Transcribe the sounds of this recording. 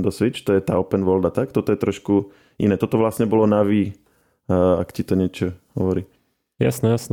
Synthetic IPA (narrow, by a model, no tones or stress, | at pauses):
d̪ɔsʋit͡ʃt̪ɔjɛt̪aːɔpɛnʋɔld̪at̪akt̪ɔt̪ɔjɛt̪ɾɔʃku | inɛːt̪ɔt̪ɔʋlasɲɛbɔlɔnaʋiː | akcit̪ɔɲɪɛt͡ʃɔhɔʋɔɾiː | ja̰snɛjasn